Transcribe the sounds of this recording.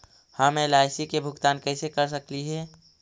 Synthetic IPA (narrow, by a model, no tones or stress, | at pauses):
hamẽlaːɪsikebʱʊɡt̪aːnkɛːsekəɾs̬əkliɦɛː